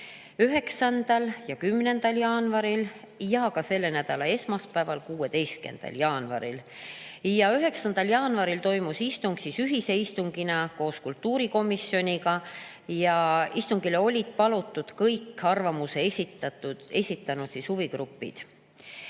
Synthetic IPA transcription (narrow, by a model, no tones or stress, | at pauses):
yɦe̞ksɑnd̪̥ɑljɑkymne̞nd̪̥ɑljɑːnvɑɾil | jɑkɑse̞lːe̞næd̪̥ɑlɑe̞smɑspæːvɑlkuːe̞d̪e̞jst̪̚ke̞̰nd̪̥ɑ̰ljɑːnvɑ̰ɾḭl | jɑyɦe̞ksɑnd̪̥ɑljɑːnvɑɾilt̪o̞jmusist̪uŋɡ̥sisyɦise̞ist̪uŋɡ̥inɑko̞ːskult̪ːuːɾiko̞misjo̞nʲikɑ | jɑist̪uŋɡ̥ileo̞lʲid̪̥̚pɑlut̪ːˑud̪̥kɤjkːɑrvɑmuse̞sit̪ɑe̞sʲit̪ːˑɑnut̪sishuviɡrupːˑḭd̪̥